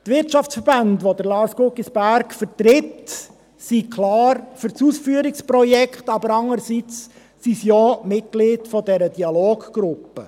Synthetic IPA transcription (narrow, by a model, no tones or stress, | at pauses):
tʋɪɾtʃɑft͡sfəɾbɑndʋod̪əɾlɑːɾskʊkisb̥æɾkfəɾtɾɪt | sikʰlɑːɾfʏɾt͡suːsfyəɾɪkspɾɔjɛkχtɑbəɾɑŋːəɾsit͡s | sisjɔmɪt̚ɡ̥lidfɔdɛɾədiɑloːɡ̥ɡ̥ɾʊpːə